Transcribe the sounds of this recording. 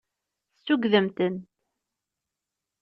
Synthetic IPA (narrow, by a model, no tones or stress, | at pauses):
st̪uɡðəmt̪ənt̪